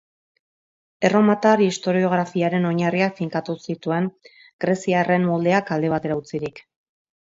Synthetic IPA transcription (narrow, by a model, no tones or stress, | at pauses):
e̞ro̞mat̪aɾist̪o̞ɾio̞ɣ̞ɾafiaɾe̞no̞ɲariakfiŋkat̪usit̪ue̞ŋ | ɡ̥ɾe̞siare̞mːo̞ld̪e̞akald̪e̞β̞at̪e̞ɾaut͡siɾik